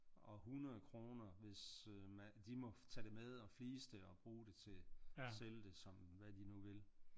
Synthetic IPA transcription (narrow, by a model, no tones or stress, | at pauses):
ɒ̽ɦunɐðˠkʰʁo̝ːnɐʋe̝smæd̥imɒ̽t͡sʰæd̥e̝með̞ˠɒ̽fliːsd̥e̝ɒ̽b̥ʁuːd̥e̝t͡sʰe̝seld̥e̝sɒ̽mʋæd̥inuʋe̝l